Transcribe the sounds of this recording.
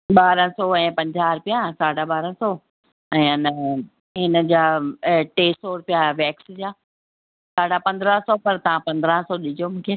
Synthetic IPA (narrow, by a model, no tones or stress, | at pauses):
ɓaːɾə̃sɔɛ̃ːpɐ̃ɲd͡ʑaːɾpijãsaːɽaɓaːɾə̃sɔː | ɛ̃ːɪnə | ɦɪnəd͡ʑaːʈeːsoːɽpijaʋɛːksd͡ʑaː | saːɽapɐ̃nd̪ɾə̃sɔːpɐɾt̪ɐʋ̤ãpɐ̃nd̪ɾə̃sɔɗɪd͡ʑiomũːkʰeː